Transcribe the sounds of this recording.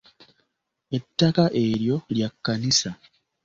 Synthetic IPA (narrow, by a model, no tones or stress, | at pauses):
e̞tːakaʔe̞ɾjo̞ljakːanisa